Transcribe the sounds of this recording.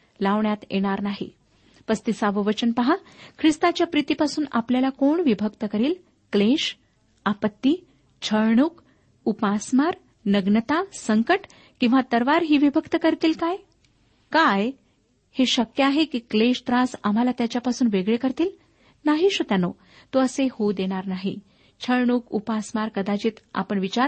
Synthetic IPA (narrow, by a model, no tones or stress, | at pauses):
laʋɳjat̪jḛɽ̃aɾnaɦḭ | pəst̪isaʋəʋət͡ɕənpəɦakʰɾist̪at͡ɕjapɾit̪iːpasuːna̰pljalakoɳʋibʱəkt̪əkəɾiːl | kleɕ | apət̪ːiː | t͡ɕʰəɾɳuk | upasmaɾ | nəɡnət̪asəŋkəʈ | kĩw̃ʋat̪əɾʋaɾɦiːʋibʱəkt̪əkəɾt̪iːlkaj | kaj | heɕəkjəaɦekiːkleɕt̪ɾasam̤alat̪jat͡ɕjapasuːnʋeɡɭekəɾt̪iːl | naɦiɕot̪jano | t̪oəsehod̪eɽ̃aɾnaɦḭ | t͡ɕʰəɾɳukupasmaɾkəd̪at͡ɕiːt̪a̰pəɳʋit͡ɕaɾ